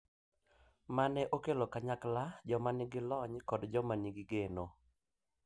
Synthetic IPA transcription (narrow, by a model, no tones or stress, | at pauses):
manɛʔokelokaɲaklad͡ʒɔmanɪɡɪlɔɲkɔdd͡ʒɔmaniɡɪɡeno